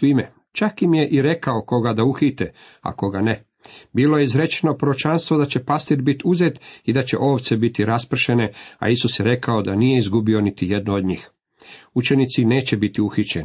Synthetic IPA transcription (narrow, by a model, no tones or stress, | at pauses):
sʋime | t͡ʃakimje̞ʔiɾe̞kao̞ko̞ɡad̪auxit̪e | a̰ko̞ɡane | biːlojeizɾe̞t͡ʃenopɾoot͡ʃanst̪ʋod̪at͡ɕe̞past̪iɾbit̪uzet̪id̪at͡ɕe̞ʔo̞ːʋt̪se̞bit̪iɾaspr̩ʃe̞ne̞a̰isusjeɾe̞kao̞d̪anije̞izɡubio̞nit̪ije̞d̪nood̪ɲiːx | ut͡ʃe̞nit̪sine̞ːt͡ɕe̞bit̪iuxit͡ɕen